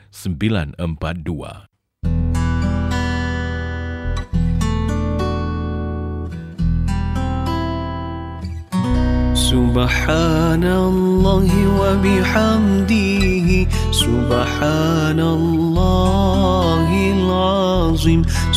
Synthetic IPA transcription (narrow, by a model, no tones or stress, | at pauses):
səmbila̰nəmpat̪̚dua̰ | sʊbħaːnallːɑːhɪwabɪħamd̪ɪɦɪ | sʊb | ħaː | na | llːɑː | ɦɪlʕɑ | zˤɨm